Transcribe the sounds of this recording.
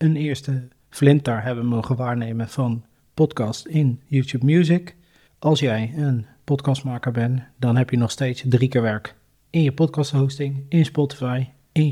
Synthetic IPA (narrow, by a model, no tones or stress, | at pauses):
ənɪːɹstə | flɪntəɹɦɛbənmowχənʋaːɹnejmənv̥ɑn | pɔtkɑstɪnjuːtup̚mjuːzɪk | ʔɑlˠsjɛjənpɔtkɑst̚maːkəɹbɛndɑnɦɛpjənɔχstejtsdrikɪːɹʋɛɹk | ɪnjəpɔtkɑstɦowstɪŋɪnspɔti̥fɑj | ɪn